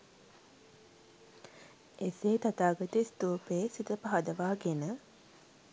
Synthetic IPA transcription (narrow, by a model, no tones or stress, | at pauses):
eseːt̪at̪aːɡət̪ist̪uːpeːsit̪əpaɦɐd̪əʋaːɡenə